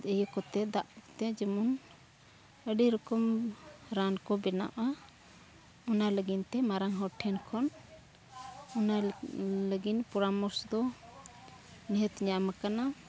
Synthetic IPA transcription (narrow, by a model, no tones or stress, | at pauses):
əjɔkɔt̪ɛd̪aʔt̪ɛd͡ʒəmun | əɖiɾɔkɔmɾankɔbɛna̰ʔa | ɔnaləɡint̪ɛmaɾaŋɦɔʈʰɛnkʰɔn | ɔnaləɡinpɔɾamɔɾsd̪ɔ | nɛɦət̪ɲamakana